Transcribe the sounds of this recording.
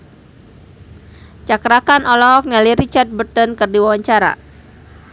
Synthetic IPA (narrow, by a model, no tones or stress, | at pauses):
t͡ʃakɾakanʔɔlɔk̚naliɾit͡ʃart̪̚bərt̪ɔnkɨrdiwawaɲt͡ʃaɾa̰